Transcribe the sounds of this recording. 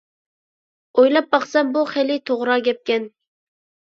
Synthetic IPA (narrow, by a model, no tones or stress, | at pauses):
ojlɑp̚bɑχsɛmbuχelit̪ʰoʁɾɑɡʲɛp̚kʲɛn